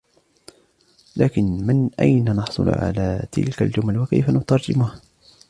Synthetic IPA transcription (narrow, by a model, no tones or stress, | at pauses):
laːkɪnmɪnʔa̰jnanɑħsˤʊ̰l̰ʕa̰laːt̪ʰɪ̰lka̰ld͡ʒʊmalwaka̰jfanʊt̪ɑɾˤd͡ʒɪ̰mʊha